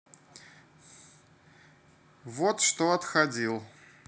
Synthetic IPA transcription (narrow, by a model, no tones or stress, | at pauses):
vot̪ʂt̪oɐt̪xɐd͡zʲilˠ